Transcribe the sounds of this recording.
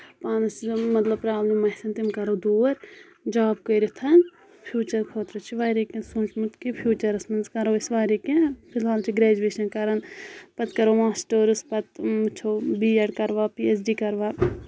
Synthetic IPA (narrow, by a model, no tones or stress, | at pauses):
paːnɐsmɐt̪lɐb̚pɾaːbnimɐsɐnt̪imkɐɾoːd̪uːɾ | d͡ʒaːb̚koɾit̪ʰɐn | pʰjuːt͡ʃɐɾkʰoːt̪ɾot͡ʃʰiʋaːɾikẽnsunt͡ʃmut̪kipʰjuːt͡ʃɐɾɐsmɐnzkɐɾoːɪsʋaːɾikẽpʰɪlɦaːlt͡ʃʰiɡɾɛːd͡ʒueːʃɐnkɐɾɐnpɐt̪kɐɾoːʋãːsʈoːɾuspɐt̪mt͡ʃʰoːbiːɐɽkɐɾʋaːpiːesɖiːkɐɾʋaː